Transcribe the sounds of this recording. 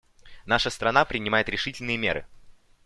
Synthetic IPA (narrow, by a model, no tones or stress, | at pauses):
naʂəst̪ɾɐnapɾʲɪnʲɪmajɪt̪ɾʲɪʂɨtʲɪlʲnɨjəmʲḛɾɨ̰